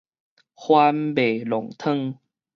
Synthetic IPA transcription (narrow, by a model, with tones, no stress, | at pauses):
hwa˧mbe˨˩lɔ˨˩ŋt̪ʰə˥˧˨ŋ